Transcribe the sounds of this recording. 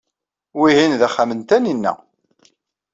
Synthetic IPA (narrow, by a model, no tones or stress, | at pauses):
wiɦinðæχːamənt̪æninːæ̰